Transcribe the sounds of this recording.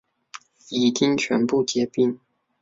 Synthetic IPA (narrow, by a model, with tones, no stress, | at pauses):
i˨˩t͡ɕi˥ŋt͡ɕʰɥɛ˧˥npu˥˩t͡ɕjɛ˧˥pi˥˩ŋ